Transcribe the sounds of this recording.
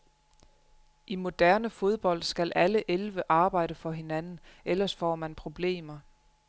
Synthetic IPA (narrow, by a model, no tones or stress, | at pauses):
ʔimo̝d̥æɐnəfo̝ð̞ˠb̥ɒ̽l̰d̥sɡ̥ælʔæləʔelʋəʔɑ̈ːb̥ɑ̈ɪ̰ɾ̥əfɒ̽ɦe̝nænn̩ʔelɐsfɒ̰ːmænpʰʁo̝b̥le̝̰ːmɐ